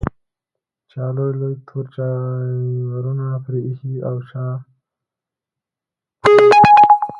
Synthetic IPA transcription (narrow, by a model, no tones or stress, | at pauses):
t͡ʃɑːlojlojt̪ʰoɾt͡ʃa | waɾunapɾehiawt͡ʃɑ